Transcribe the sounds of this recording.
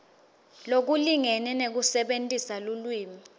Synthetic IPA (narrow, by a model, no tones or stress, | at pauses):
lok̬uliŋɛnɛnek̬usɛɓentʼisalulwiːmi